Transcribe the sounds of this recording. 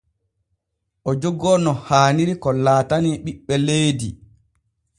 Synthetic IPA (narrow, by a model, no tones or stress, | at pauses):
ʔɔd͡ʒɔɡɔnɔhaːniɾikɔlaːtaniɓiɓːɛlejdi